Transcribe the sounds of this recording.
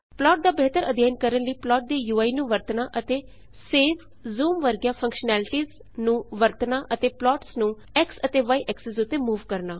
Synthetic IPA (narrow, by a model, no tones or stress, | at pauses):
plɔːʈ̚d̪aːbeɦt̪əɾəd̪ʱjaːnkəɾənləiːplɔːʈ̚d̪eːjuːaːiːnũːʋəɾt̪naːʔət̪eː | seːʋ | zuːmʋəɾɡjãːpʰə̃ŋkʃnɛːlɪʈiːz | nũːʋəɾt̪naːʔət̪eːplɔːʈsnũː | ɛksət̪eːʋaːiːʔɛksɪsʊt̪ːeːmuːʋkəɾnaː